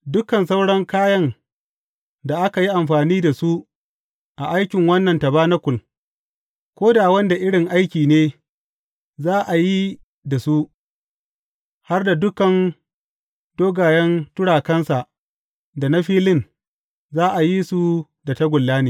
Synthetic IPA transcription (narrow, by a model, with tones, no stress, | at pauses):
dʊ˦kɐ˨nsa˦wɽɐ˦ŋkaː˦jɐ˦n | da˨ʔa˦ka˨ji˦ʔa˨mɸaː˨niː˦da˨su˦ | ʔa˨ʔa˦jkʲɪ˨ŋwɐ˦nːɐ˨nta˨baː˦na˦kʷʊ˨l | kʷoː˦daː˨wɐ˦nda˨ʔɪ˦ɽɪ˨ŋʔa˦jkʲiː˨neː˦ | zaː˦ʔa˨ji˦ | da˨su˦ | ha˦rda˨dʊ˦kɐ˨n | d̥oː˦ɡaː˨jɐ˦ntʊ˦ɽaː˨kɐ˦nsa˨ʔ | da˨na˦ɸiː˦lɪ˦n | zaː˦ʔa˨ji˦su˨ | da˨tɐ˦ɡʷʊ˨lːaː˦neː˨